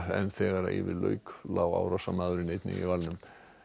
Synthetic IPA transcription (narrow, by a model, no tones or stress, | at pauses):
ɛnθɛːɣaɾaɪ̰vɪðlœ̰ːɥklaːwa̰wɾasamaðʏɾɪnejt̪nɪ̰ŋḭvalnʏm